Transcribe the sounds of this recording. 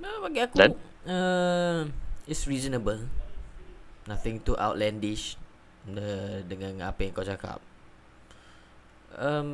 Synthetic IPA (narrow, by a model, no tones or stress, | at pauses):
əbaɡiakua | ə | ɪsɹizənəbəl | naθɪ̃ŋt̪uʔa̰wtlɛndiʃ | dədəŋãna̰pajãŋkawt͡ʃaka̰p̚ | əm